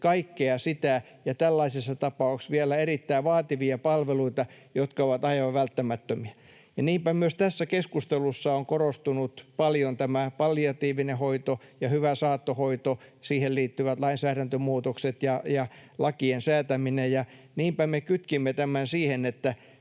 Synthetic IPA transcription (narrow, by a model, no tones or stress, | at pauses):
kɑikːeɑsit̪æ | jɑt̪ælːɑisesːɑt̪ɑpɑuksʋielæerit̪ːæiʋɑːt̪iʋiɑpɑlʋeluit̪ɑ | jot̪kɑoʋɑt̪ɑiʋɑʋʋælt̪ːæmæt̪ːømiæ | jɑniːmpæmyøst̪æsːækeskust̪elusːɑoŋkorost̪unut̪pɑljont̪æmæpɑlːiɑt̪iːʋinehoit̪ojɑhyʋæsɑːt̪ːohoit̪osiːhelliːt̪ːyʋæt̪lɑinsæːɾænt̪ømuːt̪okset̪jɑjɑlɑkiensæːt̪æminejjɑ | niːmpæmekyt̪kimːet̪æmænsiːhenet̪ːæ